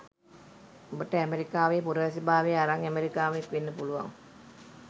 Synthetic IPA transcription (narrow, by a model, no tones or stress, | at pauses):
obəʈəæmeɾikaːʋeːpuɾəʋəs̬ibaːʋeaɾaŋæmeɾikaːʋekʋenːəpuluʋa̰ŋ